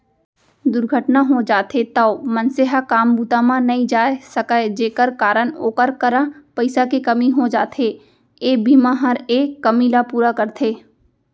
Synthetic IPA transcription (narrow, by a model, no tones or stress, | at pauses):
d̪ʊɾɡʱəʈnaɦod͡ʒaːt̪ʰet̪ɐʊmə̃nseɦakaːmbuːt̪amãnɐɦĩd͡ʒaːesɐkəed͡ʒeːkəɾkaːɾənoːkəɾkəɾãpɐɪsakekɐmiɦod͡ʒaːt̪ʰeː | eːbʱimãɦɐɾeːkːɐmilapuːɾakɐɾt̪ʰeː